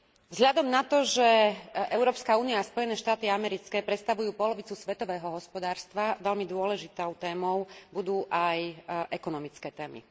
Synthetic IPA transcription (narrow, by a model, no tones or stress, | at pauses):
vzɦlʎad̪ɔmnat̪ɔʒɛʔɛʊɾɔːpskauːnijaːspɔjɛnɛːʃt̪aːt̪iamɛɾit͡skɛːpɾɛt̪st̪aʋujuːpɔlɔʋit͡susʋɛt̪ɔʋɛːɦɔɦɔspɔd̪aːɾst̪ʋaʋɛʎmid̪ʊɔlɛʒit̪ɔʊt̪ɛːmɔʊbud̪uːʔajʔɛkɔnɔmit͡skɛːt̪ɛːmḭ